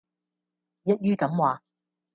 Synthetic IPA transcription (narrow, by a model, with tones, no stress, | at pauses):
jɐ˥t̚jyː˥kɐ˨˥mwaː˨